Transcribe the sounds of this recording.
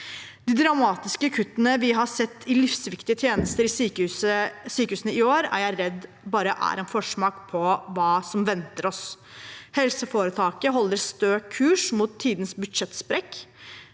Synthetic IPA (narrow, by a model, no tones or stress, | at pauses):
d̪ɪd̪ɾɑmɑːt̪ɪskəkʰʉt̪ːənəʋɪɦɑsɛt̪ʰːɪlɪfsʋɪkt̪ɪət̪ʰjeːnəst̪əɾɪsyːkʉəsyːkəʉːsənəɪoːɾæ̰ɾjæɪɾɛd̪ː | bɑːɾəʔæ̰ɾɛnfɔʂmɑːkpʰɔʋɑːsɔmʋɛnt̪əɾɔs | hɛlsəfoːɾət̪ʰɑːkəɦɔlːəɾst̪øːkʰːʉːʂmuːt̪ʰːiːd̪nsbʉd̪ʂɛt̪ːspɾɛkː